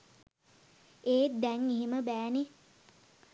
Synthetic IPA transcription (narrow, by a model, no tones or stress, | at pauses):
eːd̪æŋiɦiməbæːni